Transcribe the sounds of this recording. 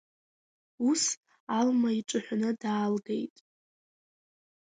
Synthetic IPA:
us | almaiʈ͡ʂʼɨħʷnɨdaːlɡejtʼ

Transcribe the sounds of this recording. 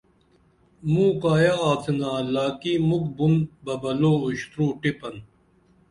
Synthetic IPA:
mũːkaːjaːaːt͡sʰinaːlaːkiːmukbunbɐbɐloːuɕt̪ɾuːʈipɐn

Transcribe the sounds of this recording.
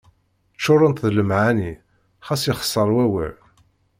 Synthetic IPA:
t͡ʃːʊɾˤənt̪ðləmʕani | χæsjɪχə̥sˤːəɾˤwæwə̰l

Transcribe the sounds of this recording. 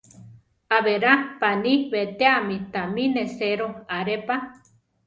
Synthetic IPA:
aβeɾapaniβet̪eamit̪amineseɾoaɾepa

